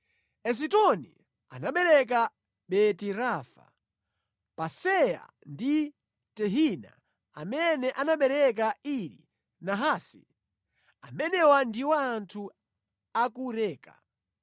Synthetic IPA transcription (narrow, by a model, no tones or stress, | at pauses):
ɛs̬itɔnḭ | anaɓɛɾɛk̬a | ɓɛtiɾafa̰ | pasɛja̰ | ndi | tɛɦina̰ | amɛnɛʔanaɓɛɾɛk̬aiɾḭ | naɦasḭ | amɛnɛwandiwaːntʰu | akuɾɛːka